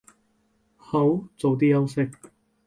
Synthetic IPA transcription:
ho˨˥wt͡so˨wt̪̬iː˥jɐ˥wsɪ˥k̚

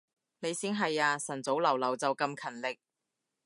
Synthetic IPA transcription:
ne˨˧jsiː˥nɦɐ˨jaː˧sɐ˨˩nt͡so˨˥wlɐ˨˩wlɐ˨˩wt͡sɐ˨wkɐ˧mkʰɐ˨˩nlɪ˨k̚

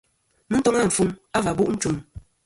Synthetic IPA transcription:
m̩˦tɔ˦ŋa˦˨m̩˨fu˦ma˦va˨bu˦ʔn̩˦t͡ʃu˦m

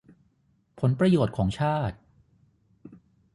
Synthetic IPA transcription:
pʰo˩˦npɾa˧joː˨˩t̪̚kʰɔː˩˦ŋt͡ɕʰaː˥˩t̪̚

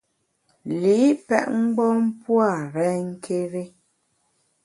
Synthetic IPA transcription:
li˨˦pɛ̰˦ʔŋ͡m̩˦ɡ͡bɔ˦m̩˦pwa˦˨ɾɛ˦ŋ̩˦kʰe˦ɾe˦

